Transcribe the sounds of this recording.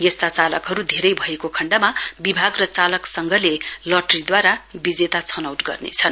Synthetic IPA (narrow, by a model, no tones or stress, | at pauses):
jest̪at͡salʌkɦʌɾud̪ʱeɾʌjbʱʌekokʰʌɳɖamabibʱaɡrʌt͡salʌksʌŋɡʱʌlelʌʈʌrid̪waɾabid͡zet̪at͡sʰʌnawʈɡʌ̰rnḛt͡sʰʌn